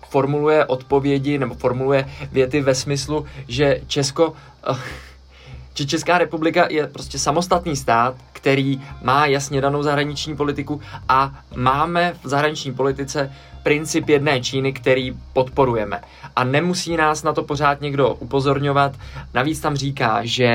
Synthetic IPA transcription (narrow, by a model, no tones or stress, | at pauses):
fo̞ɾmulujɛʔo̞t̪po̞vjɛɟɪnɛbo̞fo̞ɾmulujɛvjɛt̪ɪvɛsmɪsluʒɛt͡ʃɛsko̞ | ʒ̥ɛt͡ʃɛskaːɾɛpublɪkajʔɛpɾo̞scɛsamo̞st̪at̪niːst̪aːt̪kt̪ɛɾiːmaːjasɲɛdano̞wzaɦɾaɲɪt͡ʃɲiːpo̞lɪt̪ɪkuʔamaːmɛvzaɦɾaɲɪt͡ʃɲiːpo̞lɪt̪ɪt͡sɛ | pɾɪnt͡sɪpjɛdnɛːt͡ʃiːnɪkt̪ɛɾiːpo̞t̪po̞ɾujɛmɛ̰ | ʔanɛmusiːnaːsnat̪o̞po̞r̝aːt̪ɲɛɡdo̞ʔupo̞zo̞ɾɲo̞vat̪naviːt͡st̪amr̝iːkaːʒɛ